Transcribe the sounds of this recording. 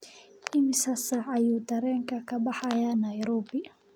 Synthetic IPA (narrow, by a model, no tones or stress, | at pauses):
ʔɪmɪsɐsaɐjuːd̪ɐɾɛːŋkʰɐkʰɐbɐħajanajɾɔːbɪ